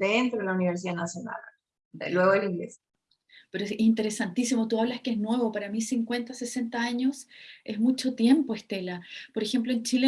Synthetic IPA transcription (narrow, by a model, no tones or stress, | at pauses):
d̪ent̪ɾoðelauniβeɾs̬iðanasjona̰l | d̪ḛlweɣoðeliŋɡles | pe̞ɾoeesint̪e̞ɾe̞sant̪isimo̞t̪uaβlaskeeznwe̞βopaɾamisiŋkwe̞nt̪ase̞se̞nt̪aaɲo̞sʔe̞zmut͡ʃo̞t̪je̞mpoeht̪e̞lapo̞ɾexe̞mplo̞e̞nt͡ʃile